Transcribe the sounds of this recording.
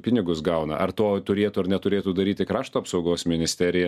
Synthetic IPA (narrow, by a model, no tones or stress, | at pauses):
pʲɪnʲɪɡʊsɡɐʊnɐ̰ʔɐrt̪oːt̪ʊɾʲeːt̪ʊɐɾnʲɛt̪ʊɾʲeːt̪uːd̪ɐɾʲiːt̪ʲɪkɾɑːʃt̪oːɐpsɒʊɡoːsmʲɪnʲɪsʲt̪ʲæːɾʲɪjɛ